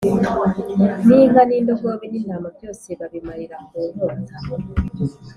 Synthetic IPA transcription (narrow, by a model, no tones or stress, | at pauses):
niːŋɡaniːndokoβininamavjoseβaβimaɾiɾakuːɾo